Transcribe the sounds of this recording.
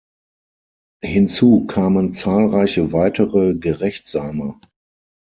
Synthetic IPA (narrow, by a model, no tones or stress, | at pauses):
hɪnt͡suːkʰaːmənt͡saːlʁaɪçəvaɪtʰəʁəɡəʁɛçtz̥aːmə